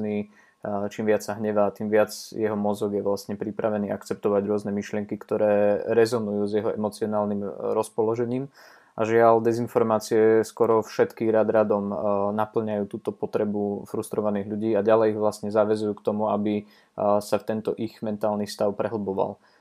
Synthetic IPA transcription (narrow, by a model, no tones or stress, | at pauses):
niː | t͡ʃiːmʋɪat͡ssaɦɲɛʋat̪iːmʋɪad͡zjɛɦɔmɔzɔɡjɛʋlasɲɛpɾipɾaʋɛniːʔa̰kt͡sɛp̚t̪ɔʋaɟɾʊɔznɛmiʃlɪɛŋkikt̪ɔɾɛːɾɛzɔnujuːzjɛɦɔʔɛ̰mɔt͡siɔnaːlnimɾɔspɔlɔʒɛɲiːm | ʔaʒɪald̪ɛzinfɔɾmaːt͡siɛskɔɾɔfʃɛt̪kiːɣɾad̪ɾad̪ɔmnapl̩ɲajuːt̪uːt̪ɔpɔt̪ɾɛbufɾust̪ɾɔʋaniːɣʎuɟiːaɟalɛjiɣʋlastɲɛzaːʋɛzujuːkt̪ɔmuabi | saft̪ɛnt̪ɔʔiɣmɛnt̪aːlnifst̪aʊpɾɛɦl̩bɔʋa̰l